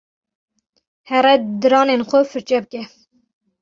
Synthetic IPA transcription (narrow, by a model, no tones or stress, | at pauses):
hɛɾɛd̪ɨɾɑːneːnxʷɛfɨɾt͡ʃɛbɨkɛ